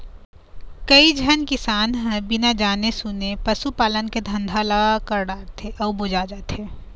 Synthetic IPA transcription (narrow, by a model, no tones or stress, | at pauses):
kɐid͡ʒʱɐnkɪsaːnɦɛ̃bɪnad͡ʒaːnesʊnepɐsupaːlənked̪ʱɐ̃nd̪ʱalaɡakəɾɖaːɾt̪ʰeʔɔːbʊd͡ʒad͡ʒaːt̪ʰeː